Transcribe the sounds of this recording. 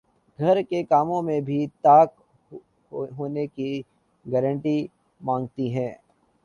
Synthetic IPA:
ɡʱɐɾkekaːmõmẽbʱit̪aːk | ɦoːneki | ɡɛɾə̃ɳʈi | mãːŋɡt̪iɦɛ̃ː

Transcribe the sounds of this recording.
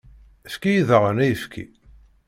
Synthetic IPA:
əfkijiðəʁənæjəfkʰḭ

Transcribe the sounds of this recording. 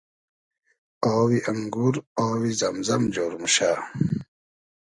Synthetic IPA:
oːwiʔɐŋɡuɾowizɐmzɐmd͡ʑoːɾumɕa

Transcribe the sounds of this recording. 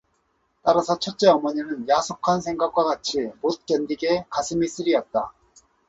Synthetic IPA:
t͈aɾasʰʌt͡ɕʰʌt͡ɕ͈e̞ʌmʌɲinɯnjasʰokʰansʰe̞ŋɡak͈̚wakat͡ɕʰimot̚k͈endiɡe̞kasʰɯmis͈ɯɾiʌt̚t͈a

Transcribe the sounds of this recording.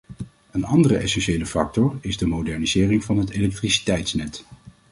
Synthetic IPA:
ənɑndərəɛsɛnʃejləfɑ̰k̚tɔɹɪzdəmowdɛɹnizɪːrɪŋvɑnɦətelɛk̚trisi̥tɛjtsnɛt

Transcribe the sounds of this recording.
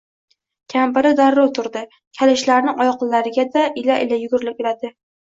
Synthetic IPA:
kʲʰampɪɾɪd̪aɾːɒt̪ʰʊɾd̪ɪ | kʲʰalɪʃlaɾnɪŋʔɒjɒqɨlːaɾɪɡʲad̪aʔɪlaʔɪlajʊɡʊɾlɪp̚ʲelad̪ɪ

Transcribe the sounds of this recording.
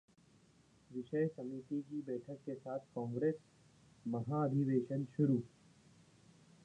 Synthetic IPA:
ʋɪʃəjsɐmit̪ikibɛːʈʰəkːesaːt̪ʰkɔ̃ːŋɡɾeːs | mɐɦaɐd̪ʱɪʋeːʃənʃʊɾuː

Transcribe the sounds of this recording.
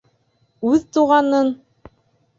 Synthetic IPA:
ʉðt̪uʁɑnɤn

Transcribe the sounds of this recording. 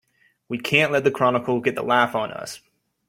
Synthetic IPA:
wikʰæ̃nʔlɛt̪̚ðɨkʰɹ̥ɑnəkl̩ˠɡɛt̪̚ðə̰læfn̩ʌ̰s

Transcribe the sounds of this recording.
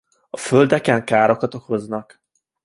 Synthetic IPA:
ɒføld̪ɛkɛŋkaːɾo̞kɒt̪o̞ko̞znɒk

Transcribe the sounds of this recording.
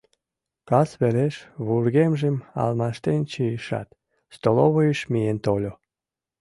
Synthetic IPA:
kɑsβeleʃβurɣemʒemɑ̰lmɑʃt̪ent͡ɕijiʃɑ̰t̪ | st̪oloβojəʃmijent̪olʲo

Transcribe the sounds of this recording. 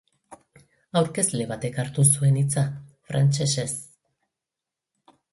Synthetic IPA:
awɾke̞zle̞βat̪e̞kaɾt̪usue̞nit͡safɾʔant͡ʃe̞ses

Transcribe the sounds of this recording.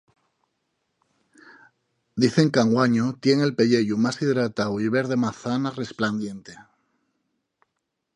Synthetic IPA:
d̪iθe̞ŋkaŋɡwaɲot̪je̞ŋe̞lpe̞ʎe̞ʎumasiðɾat̪awiβ̞e̞ɾðe̞maθanare̞spland̪je̞nt̪e̞

